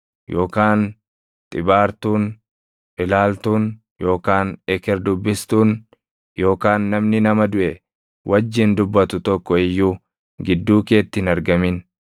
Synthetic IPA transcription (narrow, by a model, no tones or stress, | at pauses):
joːkaːn | t̪ʼɪbaːɾt̪uːn | ʔɪlaːlt̪uːn | jo̞ːkaːnɛkɛɾd̪ʊbːɪst̪uːn | jo̞ːkaːnːɐmnɪnɐmɐd̪ʊʔɛ | wʔɐd͡ʒːɪnd̪ʊbːɐt̪ʊt̪ɔkːɔɪjːuː | ɡɪd̪ːuːke̞ːt̪ːɪnɐɾɡɐmɪn